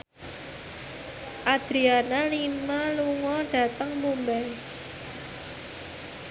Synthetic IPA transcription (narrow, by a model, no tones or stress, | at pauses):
ʔad̪̥ɾianalimaluŋɔɖ̥ä̤t̪əŋmumbɛl